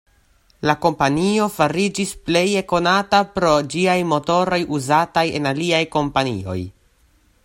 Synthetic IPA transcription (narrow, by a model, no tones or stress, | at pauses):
lako̞mpanio̞faɾid͡ʒisple̞jeko̞natapɾo̞d͡ʒiajmo̞to̞ɾo̞juzataje̞naliajko̞mpanḭo̞̰j